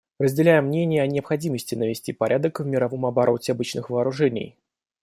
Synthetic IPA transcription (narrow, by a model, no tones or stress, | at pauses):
rəzʲdʲɪlʲæjɪmːnʲenʲɪjəɐnʲɪɐpxɐdʲiməsʲtʲɪnəvʲɪsʲtʲipɐɾʲʔad̪əkvmʲɪɾɐvo̞mɐbɐɾʔo̞tʲɪɐbɨt͡ɕnɨxvəːɾʊʐɛnʲɪ̰j